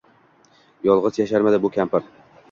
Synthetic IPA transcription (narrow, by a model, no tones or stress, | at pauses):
jɒlˠʁɨzjaʃaɾmad̪ɪbʊkʲʰampɪɾ